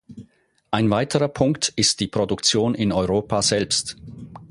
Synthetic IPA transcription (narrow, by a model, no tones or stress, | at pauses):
ʔaɪnvaɪtʰəʁɐpʰʊŋktɪst̚d̥iːpʁ̥odʊkt͡sjoːnɪnɔʏʁoːpaz̥ɛlpst